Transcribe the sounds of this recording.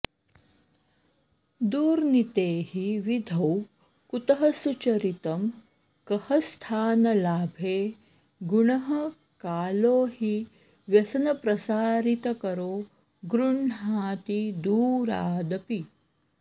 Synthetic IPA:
d̪uːɾnit̪eːhiʋid̪ʱɐw | kut̪ɐɦɐsut͡ʃɐɾit̪ɐm | kɐhɐst̪ʰaːnɐlaːbʱeː | ɡuɳɐɦɐ | kaːloːhi | ʋjɐsɐnɐpɾɐsaːɾit̪ɐkɐɾoː | ɡɾuɳɦaːt̪id̪uːɾa̰ːd̪ɐpi

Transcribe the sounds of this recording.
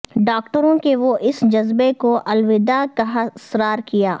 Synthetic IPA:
ɖaːkʈəɾõkeʋoʔɪsd͡ʒɐzbekoʔɐlʋɪd̪akaɦɐsɾaːɾkijaː

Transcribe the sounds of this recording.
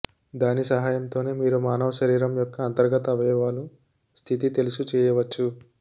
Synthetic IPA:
d̪aːnisɐɦaːjɐmt̪o̞ːne̞ːmiːɾumaːnɐʋɐʃɐɾiːɾɐmjɔkːɐːnt̪ɐɾɡɐt̪ɐʋɛːʋaːlu | st̪ʰit̪it̪elusut͡ʃɛːjɐʋɐt͡ʃːu

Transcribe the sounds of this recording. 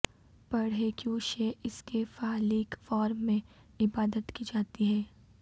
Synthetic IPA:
pɐɽɦekjuʃɛɪskefaːliːkfɔːɾmːẽ | ɪbaːd̪ət̪kid͡ʒaːt̪iɦɛː

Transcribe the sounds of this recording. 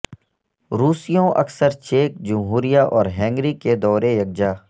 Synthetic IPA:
ɾuːsijõʔɐ̰ksəɾt͡ʃeːk̚d͡ʒʊmɦuːɾijaʔɔːɾɦɛ̃ːŋɡɾiked̪ɔːɾejɐɡ̚d͡ʒaː

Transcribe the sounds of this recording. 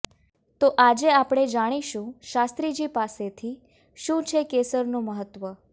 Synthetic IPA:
t̪oʔad͡ʒeapɽ̃ed͡ʒaɽ̃iʃũʃast̪ɾid͡ʒipaset̪ʰi | ʃũt͡ʃʰekesəɾnũməɦət̪ːʋə

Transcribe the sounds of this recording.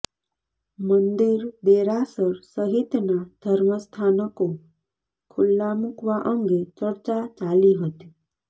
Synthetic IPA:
mənd̪iɾd̪eɾasəɾsəɦit̪nad̪ʱəɾməst̪ʰanəko | kʰulːamukʋaʔəŋɡet͡ʃəɾt͡ʃat͡ʃaliɦət̪i

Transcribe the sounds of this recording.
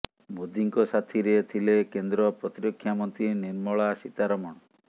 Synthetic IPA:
mod̪iŋkɔsat̪ʰiɾeet̪ʰilekend̪ɾɔpɾɔt̪iɾɔkʰːjamɔnt̪ɾiniɾmɔɭasit̪aɾɔmɔɳ̃ɔ

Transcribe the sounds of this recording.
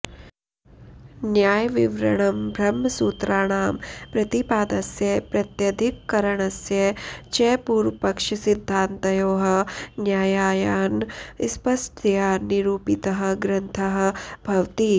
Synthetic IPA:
njaːjʋiʋɾɐɳɐmbʱɾɐmɐsuːt̪ɾaːɳaːmpɾɐt̪ipaːd̪ɐsjɐpɾɐt̪jɐd̪ʱikːɐɾɐɳ̃ɐsjɐt͡ʃɛːpuːɾʋpɐkʂɐsid̪ʱːaːnt̪ɐjoːɦɐ̆njaːjaːjaːnspɐsʈʰjaːniɾuːpit̪ɐɦɐ̆ɡɾɐnt̪ʰɐɦɐ̆bʱɐʋt̪i

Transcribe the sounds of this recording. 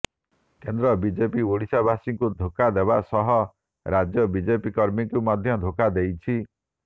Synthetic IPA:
kend̪ɾɔbid͡ʒepioɽisabasiŋkud̪ʱokad̪ebasɔɦɔ | ɾad͡ʒjɔbid͡ʒepikɔɾmikumɔd̪ʱjɔd̪ʱokad̪ejt͡ʃʰi

